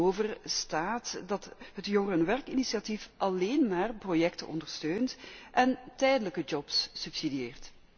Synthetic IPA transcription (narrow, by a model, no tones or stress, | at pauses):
oːvərstaːtdɑtɦətjɔŋərənʋɛrkinisiatifʔɑleːnmaːrprojɛktəʔɔ̰ndərstøːntʔɛntɛjdələkəd͡ʒɔpsːypsidieːrt